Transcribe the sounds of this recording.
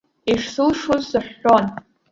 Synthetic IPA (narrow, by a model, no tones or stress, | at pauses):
iʂsɨlʂozsaħon